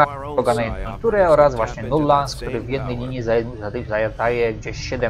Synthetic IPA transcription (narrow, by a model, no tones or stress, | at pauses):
a | ɔɡanajɛnt̪kukt̪uɾɛɔɾazvwaɕɲɛnulːansk̚t̪uɾɘvʲjɛd̪̚nɛjlʲiɲizajzat̪zajad̪ajɛɡd͡ʑeɕɕɛd̪ɛ